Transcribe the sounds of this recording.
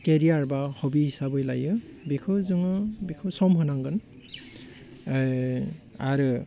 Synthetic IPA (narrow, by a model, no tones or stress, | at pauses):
keɾiaɹbahɔbihisabɯjlajɯbikʰɯzɯŋɯbikʰɯsɔmɦɯnaŋɡɯn | a̰ɾɯ